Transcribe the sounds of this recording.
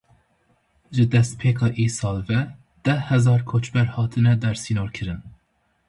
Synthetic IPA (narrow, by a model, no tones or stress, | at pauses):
ʒɨd̪ɛst̪̚pʰeːkʰɑːʔiːsɑːlvɛ | d̪̥ɛhɛzɑːɾkʰoːt͡ʃbɛɾhɑːt̪ʰɨnɛd̪ɛɾsiːnoːɾkʰɨɾɨn